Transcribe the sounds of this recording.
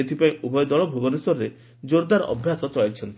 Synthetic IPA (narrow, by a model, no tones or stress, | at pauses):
et̪ʰipaĩʔubɔjɔd̪ɔɭɔbʱubɔneswɔɾɔɾe | d͡ʒoɾd̪aɾʔɔ̰bʱjasɔt͡ʃɔɭajt͡ʃʰɔnt̪i